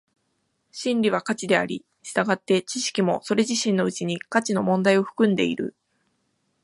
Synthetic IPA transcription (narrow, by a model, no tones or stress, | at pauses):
ɕĩnɾʲiβakat͡ɕid̪e̞aɾʲḭ | ɕi̥t̪aɡat̪ːe̞t͡ɕiɕi̥kʲimo̞so̞ɾe̞ʑiɕĩnːo̞ɯ̟t͡ɕiɲ̟ikat͡ɕino̞mõ̞nd̪aio̞ɸɯ̟̥kɯ̟̃nd̪e̞̰ḭɾɯ̟̰